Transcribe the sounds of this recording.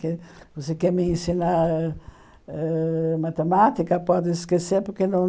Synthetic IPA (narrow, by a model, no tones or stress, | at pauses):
kɪvosekɛɾmẽẽsinaɾ | ɛmat̪emat̪ikɐpɔd̪ɪɪskeseɾpoɾkenɐ̃w̃